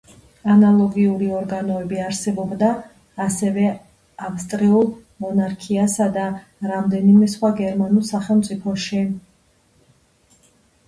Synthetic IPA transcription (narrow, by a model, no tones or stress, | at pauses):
analˠɔɡiuɾiɔɾɡanɔɛbiaɾsɛbɔbd̪aː | sɛvɛ | afst̪ʼɾiulˠ | mɔnaɾkʰiasad̪a | ɾamd̪ɛnimɛsχwaɡɛɾmanulˠsaχɛlˠmt̪sʼipʰɔʃi